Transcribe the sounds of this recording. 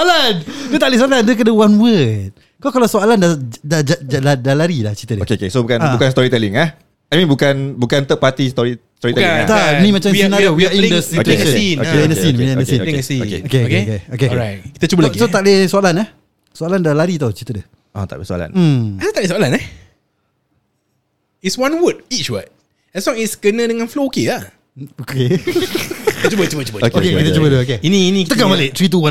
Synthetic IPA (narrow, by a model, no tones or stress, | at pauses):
alansot̪aʔles̬oalandək̬ədəwanwət̪̚ | kawkalawsoalandadad͡ʒad͡ʒaladalaɾilaht͡ʃit̪ədokeokesobukanbukanst̪ɔɾit̪ɛliŋah | ajmĩnbukanbukant̪əpat̪ist̪ɔɾist̪ɔiɛit̪anĩmat͡ʃamsənaɾowiaĩndəsiueʃə̃inaindəsĩnmĩdəsinsiokeokeokekeokeɹajt̚kit̪ət͡ʃubəlaɡisot̪alesoalanɛ | soalandəlaɾit̪awt͡ʃit̪ədə | ʔa̰t̪aʔlesua̰la̰n̩at̪alesɔalanɛ | itswãnwət̚it͡ʃwa̰t̚ | ɛslɔ̃ŋitskənə̃dəŋãnflokia | oke | t̪t͡ʃubət͡ʃubət͡ʃubəkokekit̪ət͡ʃubət̪uokeiniinit̪əɡamalet̪ɾit̪̬uwã